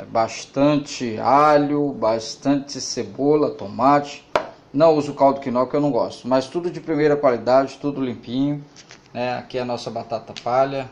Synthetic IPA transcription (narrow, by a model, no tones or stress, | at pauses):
ɛbast̪ɐ̃t͡ʃɪalʊbast̪ɐ̃t͡ʃɪsebolɐt̪omat͡ʃɪ̥ | nɐ̃w̃uzʊkawd̪ʊkinɔwkewnɐ̃w̃ɡɔ̰st̪ʊmast̪ud̪ʊd͡ʒɪpɾimejɾɐkwalid̪ad͡ʒɪt̪ud̪ʊlĩmpĩɲʊnɛa̰kiɐnɔsɐbat̪at̪ɐpalɐ